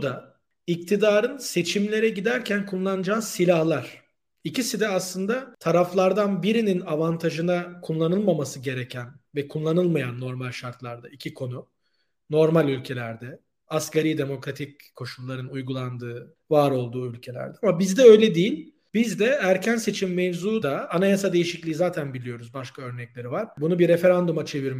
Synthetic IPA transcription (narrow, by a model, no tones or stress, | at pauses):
d̪a | ic̚t̪ʰid̪aːɾɯnse̞t͡ʃʰimlʲe̞ɾɛɟid̪æɾcʰænkʰulˠlːˠanɯd͡ʒaːsilʲahlˠaɾ̥ | icisid̪ɛaslˠɯnd̪at̪ʰaɾaflˠaɾd̪anbiɾininavant̪ʰaʒɯnakʰulˠːanɯlˠmamasɯɟe̞ɾecʰænvɛkʰulˠːanɯlˠmajanːo̞ɾmalʲʃaɾt̪lˠaɾd̪aicʰikʰo̞nu | no̞ɾmalʲylʲcʰe̞lʲæɾd̪ɛ | ascaɾid̪e̞mo̞kɾat̪ʰic̚kʰːo̞ʃulˠːaɾɯnujɡulˠand̪ɯː | vaːɾo̞lˠd̪uːylʲcʰe̞lʲæ̰ɾd̪ɛamabizd̪ɛø̞jlʲɛd̪ijilʲ | bizd̪ɛæɾcʰænse̞t͡ʃʰimːevzuːd̪aːnajasad̪e̞jiʃiclʲiːizaːt̪ʰænbilʲijo̞ɾuzbaʃkʰaø̞ɾnɛclʲe̞ɾivaɾ̥bunubiɾefe̞ɾand̪umat͡ʃʰe̞viɾm